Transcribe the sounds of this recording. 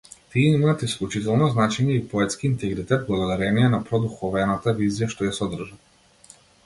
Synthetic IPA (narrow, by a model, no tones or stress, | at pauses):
t̪iɛimaːt̪isklʲˠut͡ʃit̪ɛlˠnɔznat͡ʃɛɲɛipɔɛt̪skiːnt̪ɛɡɾit̪ɛt̪̚blˠaɡod̪aɾɛniɛnapɾɔd̪uxɔvɛnat̪avizijaʃt̪ɔjasɔd̪r̩ʒa